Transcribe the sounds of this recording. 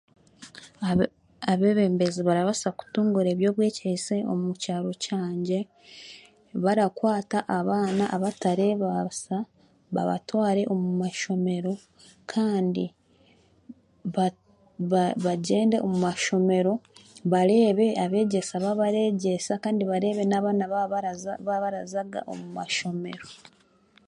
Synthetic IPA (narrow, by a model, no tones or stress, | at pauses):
aβe̞ːβe̞ːmbeziβaɾaβasaku̥tuːŋɡuɾe̞ːβjo̞ːβwe̞ːcese̞o̞̰mucaːɾo̞caːɲɟe̞ | βaɾakwaːtaʔaβaːnaʔaβataɾe̞βasa | βa̰βa̰twaːɾe̞ʔomumaʃo̞me̞ɾo̞ | kʰaːndi | β | βaɟe̞ːnde̞ʔomumaʃo̞me̞ɾo̞βaɾe̞ːβe̞aβe̞ːɟe̞saβaβaɾe̞ɟe̞sakaːndiβaɾe̞ːβe̞naβaːnaββaβaɾazaɡa̰ʔo̞̰mumaʃo̞me̞̰ɾo̞